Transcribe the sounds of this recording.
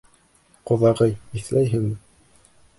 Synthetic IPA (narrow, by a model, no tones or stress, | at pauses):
qŏðɑʁɤjiθlæjɦɘŋmɘ